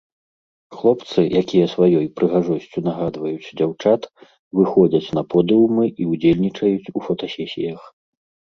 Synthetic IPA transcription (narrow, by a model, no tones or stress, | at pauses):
xlˠɔpt̪sɨjʔakʲijɐsvajɔjpɾɨɣaʐɔsʲt͡sʲunaɣad̪vɐjut͡sʲd͡zʲawt͡ʂat̪ | vɨxɔd͡zʲɐt͡sʲn̪ɐpʰɔd̪ɨwmɨʔiud͡zʲelʲnʲit͡ʂɐjut͡sʲufɔt̪ɔsʲɛsʲḭjɐx